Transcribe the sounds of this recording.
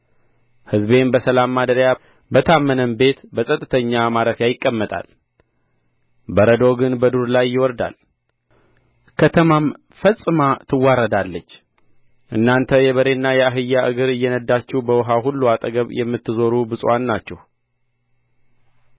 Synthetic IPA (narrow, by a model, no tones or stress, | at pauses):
hɨzbe̞nbəsəlamːad̪əɾja | bət̪ʰamːənəmbe̞t̪bəsʼət̪ʼːɨt̪ʰəɲːamaɾət̪jajɪkʼːəmːət̪ʼa̰l | bəɾəd̪o̞ɡɨnbəd̪uɾlajːɪwɔɾd̪a̰l | kʰət̪ʰəmam | fəsʼɨmat̪ʰɨwːaɾəd̪alːət͡ʃː | ʔɨnːant̪ʰəjɛβəɾe̞nːajɛaɦɨjːaʔɨɡɨɾɨjːɛnəd̪ːat͡ʃːɛhbəwɔɦaɦulːuat̪ʼəɡəβjɛmːɨt̪ːɨzo̞ɾubɨsʼwanːat͡ʃːɛh